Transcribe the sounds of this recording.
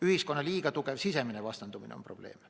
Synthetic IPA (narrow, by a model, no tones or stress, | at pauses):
yhisko̞nːɑliːɡɑt̪uke̞vsiseminevɑst̪ɑnt̪uminḛompro̞b̥le̞̰ːm